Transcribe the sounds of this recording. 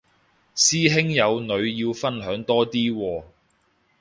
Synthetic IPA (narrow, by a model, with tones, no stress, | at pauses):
siː˥ɦɪ˥ŋjɐ˨˧wnɵ˨˧ɥjiː˧wfɐ˥nɦœː˨˥ŋt̪ɔː˥t̪iː˥wɔː˧